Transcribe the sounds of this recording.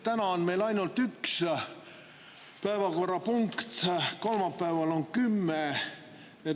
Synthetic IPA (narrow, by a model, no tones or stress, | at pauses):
t̪ænɑonmejlɑjnolt̪yks | pæevɑko̞rːɑpuŋkt̪ko̞lmɑpːæevɑloŋkymːe | jɑ